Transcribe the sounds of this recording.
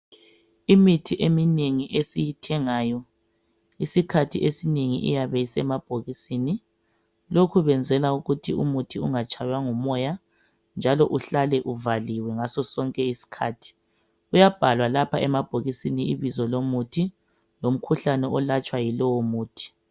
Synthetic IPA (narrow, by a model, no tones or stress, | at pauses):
imitʰiʔemineŋiʔesijitʰɛŋaːjɔ | isikʰatʰiʔesineŋiʔḭjaβɛisɛmab̥ʱoɣisini | lokʰuβɛnd͡zʱɛlauɣutʰiṵmutʰiuŋat͡ʃʰʼajwaŋumɔja | nd͡ʒʱalɔʔuɬalɛʔuvaliwɛŋasɔsɔŋkʼɛisi̥kʰaːtʰi̥ | ujab̥ʱalwalapʰaɛmab̥ʱoɣisiniiβizɔlomutʰi | lom̩kʰuɬanɛʔɔlat͡ʃʼwajilɔwɔmuːtʰi̥